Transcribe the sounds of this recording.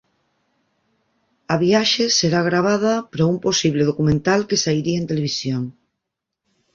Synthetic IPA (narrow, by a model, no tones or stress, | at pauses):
ɐβijaʃeseɾaɣ̞ɾaβ̞að̞ɐpɾoumposiβ̞leðokumẽnt̪alkesaiɾiaent̪eleβisjoŋ